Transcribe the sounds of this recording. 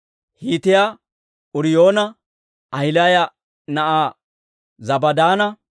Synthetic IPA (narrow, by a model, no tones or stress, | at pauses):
hiːt̪ɪja | ʊɾɪjo̞ːnɐ | ʔɐjɪlaːjɐ | nɐʔaː | zɐbɐd̪aːnɐ